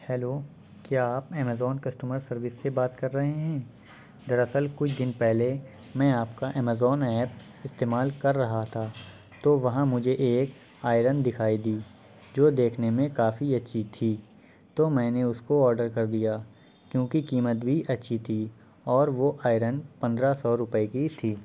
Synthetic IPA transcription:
hɛːloː | kjaːaːpɛːmɛzɔːnkɐsʈuːməɾsɐɾʋɪsːebaːt̪kɐɾːɐɦeɦɛ̃ː | d̪ɐɾəsəlkʊt͡ʃʰd̪ɪnpɛɦle | mɛ̃aːp̚kaʔɛːmɛzɔːnɛːp | ɪst̪eːmaːlkɐɾːɐɦat̪ʰaː | t̪oːʋɐɦãmʊd͡ʒʱeʔeːk | aːɪɾənd̪ɪkʰaːid̪iː | d͡ʒoːd̪eːkʰnemẽkaːfiɐtːʃʰit̪ʰiː | t̪omɛ̃ːneʊskoɔːɾɖəɾkɐɾd̪ijaː | kjõːkikiːmət̪bʱiʔɐtːʃʰit̪ʰi | ɔːɾʋoʔaːɪɾənpɐ̃nd̪ɾasɔːɾʊpəekit̪ʰiː

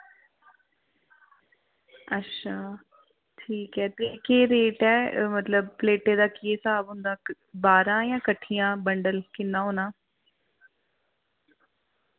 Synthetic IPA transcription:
ətːʃʰaː | ʈʰiːkɛːt̪ekeːɾeːʈɛːmət̪ləb̚pleːʈeːd̪aːkɪeːsaːbɦʊ̃nd̪aː | baːɾãːjãːkəʈʰːijãːbəɳɖəlkɪnːãːɦoːnãː

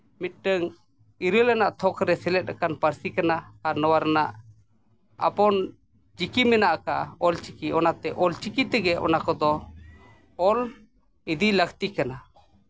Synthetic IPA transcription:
mit̪̚ʈəŋ | iɾəlɛnaʔt̪ʰɔkʰɾɛsɛlɛt̪̚ˀɾakanpəɾsikanaaɾnɔwaɾanaʔ | a̰pɔn | d͡ʒikimɛnaʔka̰ɔlt͡ʃikiɔnat̪ɛʔɔlt͡ʃikit̪ɛɡɛʔɔ̰nakɔd̪ɔ | ɔl | id̪iləkt̪ikana

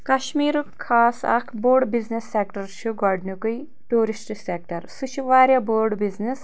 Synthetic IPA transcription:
kɐʃmiːɾukkʰːaːsɐ̰kʰboːɾɖbiznesːeːk̚ʈɐɾʃʰuɡɔɖnukuj | ʈuːɾisʈisek̚ʈɐɾsut͡ʃʰiʋaːɾjɐboːɾɖbiznes

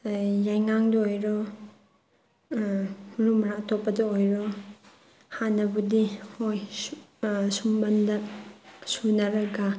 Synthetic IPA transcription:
jajŋaŋdɔojɾɔ | muɾumɐɾaktʰopːɐdɐojɾɔ | hanːɐbudihoj | sumbɐndɐ | sunɐɾɐɡa

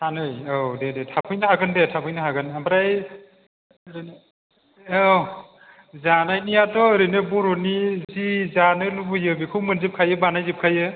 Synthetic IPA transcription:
tʰanɯjodedetʰapʰɯjnɯɦhaɡɯndetʰapʰɯjnɯɦaɡɯnambɾaj | ɾnː | zanajnijatɔɯɾɯnɯbɔɾɔnizizanɯlubɯjɯbikʰɯwmɯnzip̚kʰajɯbanajzɯp̚kʰajɯ

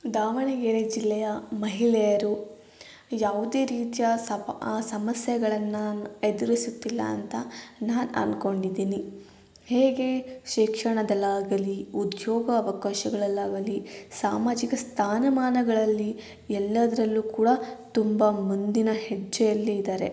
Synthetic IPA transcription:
d̪aːʋɐɳɐɡeːɾed͡ʒilːɛjɐmɐɦilɛjɐɾu | jaːʋud̪e̞ːɾiːt̪ijɐ | sɐmɐsjɛɡɐɭɐnːaed̪uɾisut̪ːilːɐ̰ːnt̪ɐnaːnɐ̰nko̞ɳɖid̪ːiːni | heːɡe̞ʃikʂɐɳɐd̪ɐlːaːɡɐliud̪jɔːɡɐːʋɐkaːʃɐɡɐɭɐlːaːɡɐlisaːmaːd͡ʒikɐst̪ʰaːnɐmaːnɐɡɐɭɐlːi | ɛlːɐd̪ɐɾɐlːuːkuːɽɐt̪umbɐmund̪inɐhed͡ʒːɛjɐlːiid̪aːɾe̞

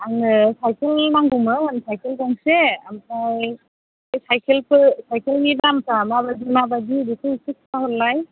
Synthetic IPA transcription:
aŋɯsajkelmaŋɡumɾɔmansajkʰelbɔŋsea̰mkaj | ajsajkʰelpɯsajkelŋibamsamabadimabadibikʰɯisik̚aɦɯɾlaj

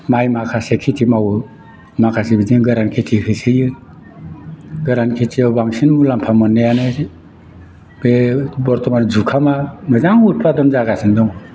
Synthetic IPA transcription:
majmakʰasekʰitʰimawɯ | makʰasebiziŋɡɯɾankʰitʰihʰɯsɯjɯ | ɡɯɾankʰitʰiawbaŋsinmulampʰamɯnːejanɯ | b̥ebɔɾtʰɔmanzukʰamamɯzaŋut̚padɔmzaɡasindɔŋ

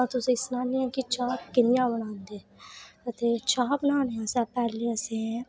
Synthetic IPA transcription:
ãt̪ʊsẽːɪsnaːnĩãːkit͡ʃʰaːkɪnɪjãːbəɽãːnd̪eːət̪eːt͡ʃʰaːbənaːneãːsɛːpɛːɾleːəsẽ

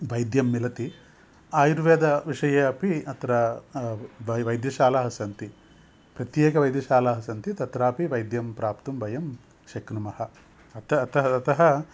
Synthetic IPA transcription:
ʋɐjd̪jɐmːilɐt̪i | aːjɾuʋeːd̪ɐʋiʂɐjɐɐpiɐt̪ɐɾɐ | ʋɐʋɐjd̪jɐʃaːlaːɦɐsɐnt̪i | pɾɐt̪jeːkɐʋɐjd̪jɐʃaːlaːɦɐsɐnt̪it̪ɐt̪ɾaːpiʋɐjd̪jɐmpɾaːpt̪umbɐjɐm | ʃɐknumɐhɐ | ɐt̪ɐːt̪ɐɦɐɐt̪ɐɦɐ

